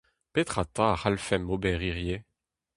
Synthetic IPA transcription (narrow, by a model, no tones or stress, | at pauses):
pet̪χat̪ãaχalfɛmobɛʁiʁje